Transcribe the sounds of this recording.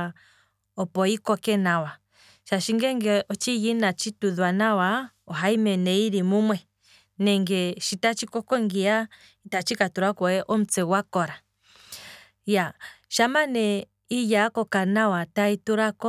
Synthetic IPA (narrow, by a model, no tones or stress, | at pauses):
ɔpɔikɔkɛnawa | ʃaʃiŋɡɛŋɡɛʔɔt͡ʃijinat͡ʃituðwanawa | ɔɦaimɛnɛiɾimumwɛ | nɛŋɡɛʃitat͡ʃikɔkɔŋɡia | itat͡ʃikatuɾakɔɛʔɔm̩t͡sɛwakɔɾa | jaʃamanɛ | ijakɔkanawataituɾakɔ